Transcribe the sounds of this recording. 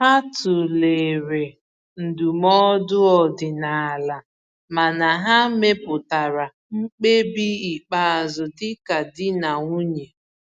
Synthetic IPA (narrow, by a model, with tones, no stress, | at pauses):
ha˦tʊ˨le˨ɾe˨ | n̩˨du˨mɔ˦dʊ˦ɔ˨dɪ˨na˨a˨la˨ | ma˨na˨ɦa˦me˦pʊ˨ta˨ɾa˨ | ŋ͡m̩˦k͡pe˦bi˦i˨k͡pa˦˨a˨zʊ˨tɪ˦ka˨dɪ˦na˨ŋʷu˦ɲe˨